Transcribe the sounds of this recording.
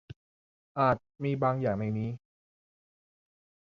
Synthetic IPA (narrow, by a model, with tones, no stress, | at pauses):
ʔaː˨˩t̪̚miː˧baː˧ŋjaː˨˩ŋna˧jniː˦˥